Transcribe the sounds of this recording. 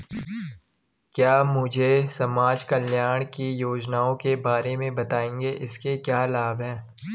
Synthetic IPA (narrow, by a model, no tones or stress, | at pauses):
kjaːmʊd͡ʒʱesɐmaːd͡ʒkɐljaːɽ̃kijoːd͡ʒnaːõkebaːɾemẽbɐt̪aːẽːŋɡeʔɪskekjaːlaːbʱɦɛ̃ː